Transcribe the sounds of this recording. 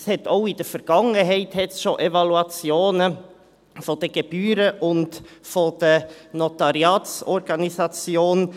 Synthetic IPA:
shɛtoʊid̥əfəɾɡ̥ɑŋəɦɛɪthɛtsʃoʔevɑluɑt͡sjoːnə | fod̥əɡ̥eb̥yːɾəʔʊntfod̥ənɔtɑɾiɑːtt͡sɔɾɡ̥ɑnisɑt͡sjoːn

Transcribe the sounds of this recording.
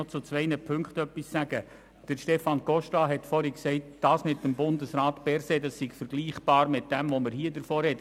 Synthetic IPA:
ɔt͡sʊt͡sʋɛɪnəpʰʏŋkχtœpːisːæɡə | d̥əɾʃtɛfɑnɡɔʃtɑɦɛtfɔɾiksɛɪt̚d̥ɑːsmɪtːəmbʊndəsɾaːtpɛɾseːdɑssiɡ̥fəɾɡ̥liːχb̥ɑːɾmɪt̚d̥ɛmʋoməɾhiədəɾfoːɾɛt

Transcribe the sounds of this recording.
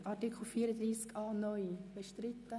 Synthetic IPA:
ʔɑtikʰl̩ˠfiːəɾəd̪ɾiːskɑːnɔjb̥ɛʃtɾit̪ːə

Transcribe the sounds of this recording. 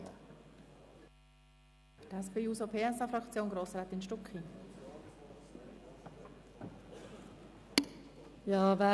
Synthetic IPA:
tɛspeuːsopʰeːɛsɑfɾɑkt͡sjoːnɡɾoːsɾaːt̪ɪnʃtɔkχi | jɑːvæ

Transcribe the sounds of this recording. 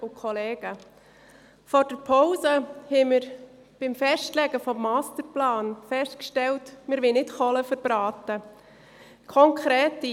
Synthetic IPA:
ʊkʰɔlɛːɡ̥ə | fɔɾd̥əɾpʰɔʊzəhɛmɪɾ | b̥ɪmfɛʃtlɛɡəfɔmːaːstəɾplaːnfɛstkʃtɛltmɪɾʋɪlnɪtχɔləfəɾb̥ɾaːtə | kʰɔŋkʰɾɛːtːi

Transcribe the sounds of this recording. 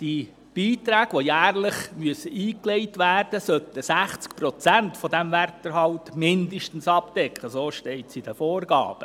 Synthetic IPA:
d̥i | b̥iːtɾæːɡ̥ʋojæːrləχmyəsəʔiːkleɪtʋæːrd̥əsœt̪əsæχt͡skpɾɔt͡sæntfɔdæmværtəɾɦɑwtmɪndəʃtən̩sɑpd̥ɛkχəsoːʃtɛɪtsid̥əfoːrɡɑ̰ːb̥ə

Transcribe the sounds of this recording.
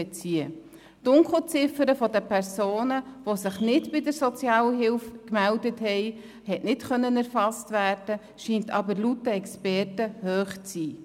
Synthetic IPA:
ɛt͡siə | d̥ʊŋkl̩ˠt͡sɪfəɾəfɔdəpʰɛɾsoːnəʋosɪχnɪtbɪdəɾsɔt͡sjɑːləɦɪlfkmældəthɛɪ | hɛʔnɪtχœnːənæɾfɑstvæːrd̥ə | ʃiːntɑbəɾlutəɛkspɛrtəhøːχt͡siː

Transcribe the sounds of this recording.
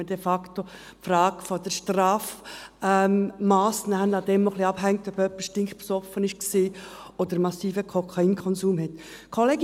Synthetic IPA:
ədɛfɑkt̪o | frɑːɡ̥fɔd̥̪əɾʃtrɑːfɛmmɑːsnæːənɑd̥̪ɛmnɔχliɑb̥ɦæŋk̚tœb̥œpːə̥stɪŋχpsɔfənɪʃksiː | od̪əɾmɑsiːfəkʰɔkʰɑinkʰɔnsuːmhɛt̪ | kʰoleːɡ

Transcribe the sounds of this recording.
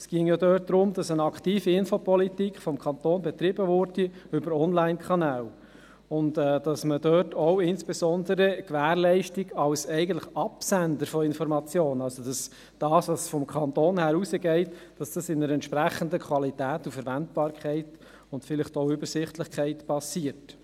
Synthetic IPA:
ɛsɡ̥iəŋjɑd̪œːt̚d̥̪ɾʊmdɑsənɑkχtiːfiɪnfopɔlitikχfɔmkʰɑnt̪oːnbɛt̪ɾɪbəvʊɾd̥iʏbəɾɔnlæɪnkʰɑnæːl | ʊntɛːd̥ɑsmədœːtʰɔʊɪnsb̥ɛsɔndəɾəkʋæːɾlɛɪʃtiɡɑlsɛɪɡəntləχɑpsændəɾfɔɪnfɔɾmɑt͡sjoːnəɑlsod̥ɑs | d̥ɑːsʋɑsfɔmkʰɑnt̪oːnhæːɾusəɡɛɪtd̥ɑsd̥ɑsɪnəɾɛntʃpɾæχːəndəkʰwɑlitæːtufəɾʋæntb̥ɑːɾkʰɛɪt | ʊntfɪlɪχtoʊʏbəɾsɪχtlɪχkʰɛɪtpɑsiːət

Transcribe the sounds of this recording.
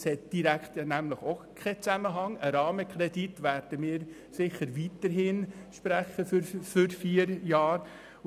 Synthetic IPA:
shɛt̚d̥iɾækχt̪næmləχokʰɛt͡sæməɦɑŋəɾɑːməkχɾɛditʋæɾd̥əmɪːɾ | sɪχəɾʋitəɾɦɪnʃpɾæχəffʏɾfiːəɾjɑːɾ

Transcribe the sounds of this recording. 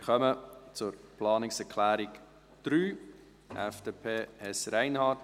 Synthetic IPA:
ɪɾχœmət͡sʊɾplɑːnɪksɛɾkʰlæːɾik | d̥ɾyː | ʔɛfd̥eːpʰeːɛsɾæɪnhɑːt

